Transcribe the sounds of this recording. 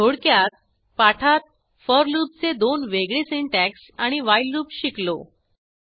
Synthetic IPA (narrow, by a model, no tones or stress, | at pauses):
oɽkjat̪̚ | paʈʰat̪̚ | fəɾluːp̚t͡sed̪onʋeɡɭesiɳʈæksaɽ̃iʋajlːuːpɕiklo̰